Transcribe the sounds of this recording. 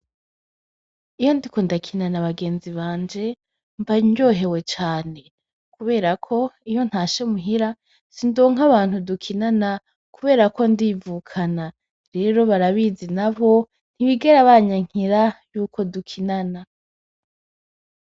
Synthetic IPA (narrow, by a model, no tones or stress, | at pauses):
ijo̞ndiko̞ndakʰinanaβaɡe̞ːnziβaːɲd͡ʒe̞ | ɱvaɲo̞ːɦe̞we̞t͡ʃaːne̞ | kuβe̞ːɾakʰo̞ijo̞n̥haːʃe̞muɦiɾa | sindo̞ːŋaβaːn̥hudukʰinana | kuβe̞ːɾako̞ndiːvukʰana | ɾe̞ːɾo̞βaɾaβizinaβo̞ | n̥hiβiɡe̞ɾaβaɲaŋ̥hiɾajuːkʰo̞dukʰinana